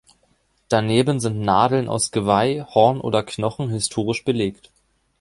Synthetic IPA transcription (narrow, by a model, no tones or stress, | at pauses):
d̥aneːbənzɪntnaːdl̩nʔa̰ʊsɡ̥əvaɪhɔɐnʔo̰ːdɐkʰnɔχn̩hɪstʰoːʁ̞ɪʃb̥əleːkt